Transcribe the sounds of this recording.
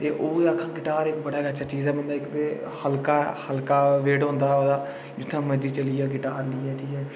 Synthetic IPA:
t̪eːʔoːeaːkʰːãːɡɪʈaːɾɪkbəɽaːɡət͡ʃʰaːt͡ʃiːzɛːmə̃nd̪aːɪkt̪eː | həlkaːhəlkaːʋeːɖɦõːnd̪aːoːd̪aː | d͡ʒɪt̪ʰːãːməd͡ʒiːt͡ʃəliːɛːɡɪʈaːɾliːɛːʈʰiːkɛː

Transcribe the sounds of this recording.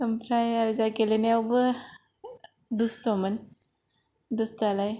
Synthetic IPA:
əmpʰɾajaɾzaɡelenajawbɯ | dustɔmɯn | dustalaj

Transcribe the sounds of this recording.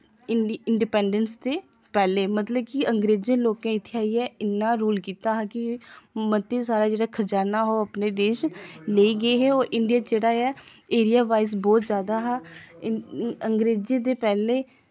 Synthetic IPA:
ɪɳɖipɛːɳɖənst̪eː | pɛːleːmət̪ləb̚kɪəŋɡɾeːd͡ʒə̃nloːkãːɪt̪ʰːeaːiːɛːɪnːãːɾuːlkiːt̪aːɦɛːkɪmət̪esaːɾaːd͡ʒeːɽaːkʰəd͡ʒaːɾnaːɦoːapneːd̪eːʃləiːɡəeːɦeːoːɾʔɪɳɖijaːd͡ʒeːɽaːɛː | eːɾijaːʋaːɪs̬bɔːt̪zjaːd̪aːɦɛː | əŋɡɾeːd͡ʒẽːd̪eːpɛːleː

